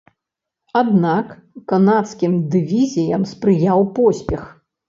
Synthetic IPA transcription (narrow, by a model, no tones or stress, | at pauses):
ad̪nakː | anat̪skʲimd̪ɨvʲizʲijɐmspɾɨjawpɔsʲpʲɛx